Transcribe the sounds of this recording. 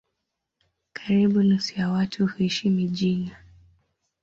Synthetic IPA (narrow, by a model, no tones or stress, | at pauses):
kʰḁɾiɓunusujawatʰuhuiʃimiʄina